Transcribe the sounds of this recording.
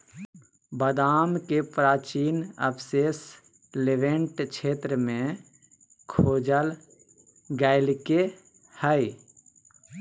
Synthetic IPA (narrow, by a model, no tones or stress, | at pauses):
bəd̪aːmkepɾaːt͡ʃiːnə̰pʰseːs | leʋẽɳʈt͡ʃʰeːt̪ɾəmẽ | kʰoːd͡ʒəl | ɡaɪlke | həi